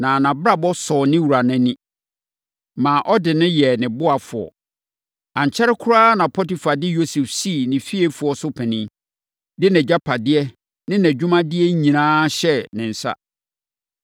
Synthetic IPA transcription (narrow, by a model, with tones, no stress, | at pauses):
nã˨nã˨bɾa˦bɔ˦sɔ˨nɪ̃˦wu˨ɾa˨nɪ̃˦nĩ˦ | mãː˨ʔɔ˦dɪ˨nɪ̃˦jɛ˨nɪ̃˨bʊ˦a˨fʊ˨ɔ̰˨ | ã˨ɲ˨t͡ɕʰɛ˦ɾɪ˦kʰʊ˦ɾaː˦nã˨pʰɔ˦ti˨fa˨dɪ˦jo˦sɛ˨fsi˦˨nɪ̃˨fi˦e˦fʊ˨ɔ˦sʊ˦pʰɛ̃˨nɪ̃˦ | dɪ˦nɛ̃˨d͡ʑa˦pʰa˨dɪ˦ɛ˦ | nɪ̃˦næ̃˨d͡ʑᶣʊ˦mã˦dɪ˦ɛ˦ɲĩ˨nãː˦ɕɛ˦nɪ̃˨n̩˨sa̰˦